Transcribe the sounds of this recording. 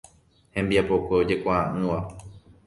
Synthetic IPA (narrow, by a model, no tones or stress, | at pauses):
hẽ̞mbiapo̞keod͡ʒe̞kʷaãʔɨ̃ʋa